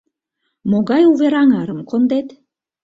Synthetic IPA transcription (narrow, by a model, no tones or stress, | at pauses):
moɣɑjuβeɾɑŋɑɾəmkond̪et̪